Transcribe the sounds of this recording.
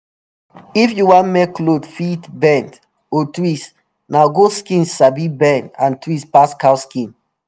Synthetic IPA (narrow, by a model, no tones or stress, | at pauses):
ifjuwãnmɛklodfitbɛ̃nd | otwis | naɡoskĩnsabibɛ̃ndã̰ntwispaskaskĩn